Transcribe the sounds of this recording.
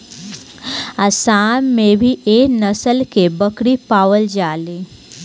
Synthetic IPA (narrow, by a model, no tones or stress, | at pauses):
ɐsaːnmẽbʱiʔeːnɐsəlkebəkɽipaːʋəld͡ʒaːliː